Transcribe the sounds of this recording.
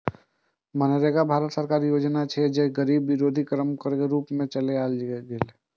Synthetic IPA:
məneɾekabʱaːɾət̪səɾkaːɾijoːd͡ʒnat͡ʃʰed͡ʒeɡəɾiːbːɪɾoːd̪ʱikɾəmkəɾkeɾuːpmẽt͡ʃəleaːld͡ʒɡɪl

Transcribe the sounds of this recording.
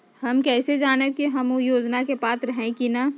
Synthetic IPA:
hɐmkɛːsed͡ʒaːnekiɦɐmjoːd͡ʒnakepaːt̪ɾɐɦẽkina

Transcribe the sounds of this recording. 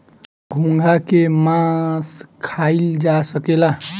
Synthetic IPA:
ɡʱũŋɡʱakemãskʰaild͡ʒasəkela

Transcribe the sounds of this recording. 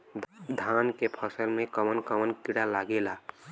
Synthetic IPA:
d̪ʱankepʰəsəlmẽkəmənkəmənkiɽalaɡela

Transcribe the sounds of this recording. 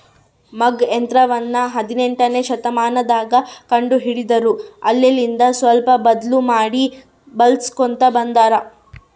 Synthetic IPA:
mɐɡent̪ɾɐʋɐnːɐɦɐd̪ine̞ɳʈɐne̞ʃɐt̪ɐmaːnɐd̪aːɡɐkɐɳɖuɦiɽid̪ɐɾuɐlːelind̪ɐsʋɐlpɐbɐd̪lumaːɽi | bɐlskont̪ɐbɐnd̪aːɾɐ

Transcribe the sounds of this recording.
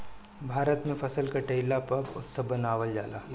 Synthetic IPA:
bʱaːɾət̪mẽfʰɐsəlkaʈeɪlapɐbʊ̰sːɐbɐnaːʋəld͡ʒa̰ːlaː

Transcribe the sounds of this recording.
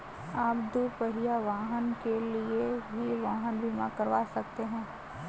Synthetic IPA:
aːpd̪upəɦijaʋaːɦənkeliebʱiʋaːɦənbʱimakəɾʋaːsɐk̚t̪eɦɛ̃ː

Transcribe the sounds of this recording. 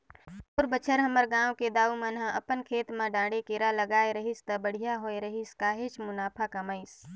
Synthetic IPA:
pʊɾbət͡ʃʰəɾɦəməɾɡãːwked̪aːumənɦãʔəpənkʰeːt̪mãɖãːɽekeːɾaləɡaːeɾəɦist̪ɐbəɽ̤ijaɦoːeɾəɦiskaːɦet͡ʃmʊnaːpʰakəmaːɪs

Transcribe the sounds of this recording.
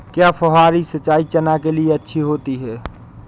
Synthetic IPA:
kjapʰəɦaɾisət͡ʃait͡ʃənakelieətːʃʰiɦot̪iɦɛ

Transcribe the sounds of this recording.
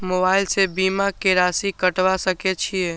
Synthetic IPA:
mobaːɪlsebiːmakeɾaːsikəʈʋasəket͡ʃʰiɛ

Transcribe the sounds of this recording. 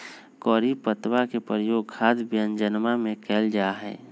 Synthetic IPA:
kɔːɾipət̪wakepɾəjoːɡkʰaːd̪bjənd͡ʒənmamẽkʰɛːld͡ʒaɦɛ̰ː

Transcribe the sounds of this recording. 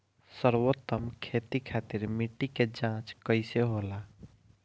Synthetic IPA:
səɾwot̪ːəmkʰet̪ikʰat̪iɾmiʈːiked͡ʒãt͡ʃkəɪseɦola

